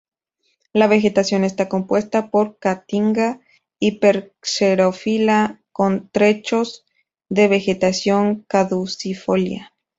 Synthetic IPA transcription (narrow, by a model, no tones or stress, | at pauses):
laβe̞xe̞t̪asjo̞ne̞st̪ako̞mpwe̞st̪apo̞ɾkat̪iŋɡa | ipeɾseɾofilako̞nt̪ɾe̞t͡ʃo̞z | ðe̞βe̞xe̞t̪asjo̞ŋkaðusifo̞lja̰